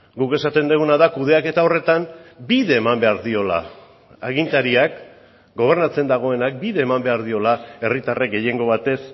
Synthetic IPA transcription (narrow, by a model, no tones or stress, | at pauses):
ɡuke̞sat̪e̞nd̪eɣunaðakuð̞e̞ake̞t̪aore̞t̪ambiðe̞ːmambe̞aɾðio̞la̰ | aɣ̞int̪aɾiak | ɡo̞β̞e̞ɾnat͡se̞nd̪aɣ̞o̞e̞nak̚biðe̞ːmambe̞aɾð̞io̞lae̞rit̪arek̚ɡe̞je̞ŋɡo̞β̞at̪e̞s